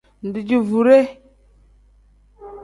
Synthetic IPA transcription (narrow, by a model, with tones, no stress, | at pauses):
ndi˨d͡ʒi˨vu˨ɾe˦